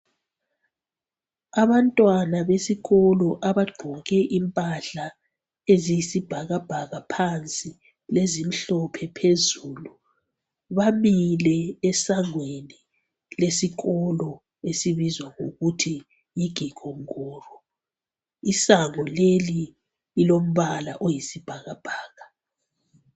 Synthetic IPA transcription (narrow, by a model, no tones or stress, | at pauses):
aβantʼwanaβesiɣɔlɔʔaβaɡ͡ǃʱɔɣɛʔimpʼaɬa | ezijisib̥ʱaɣab̥ʱaɣapʰant͡sʼi | lezim̩ɬɔpʰɛpʰezuːlu | βamilɛːsaŋweni | lesiɣɔlɔ | esiβizwaŋoɣutʰi | jiɡ̥ʱiɡ̥ʱɔŋɔːrɔ | isaŋɔleliː | lom̩βala̰ʔojisib̥ʱaɣab̥ʱaːɣa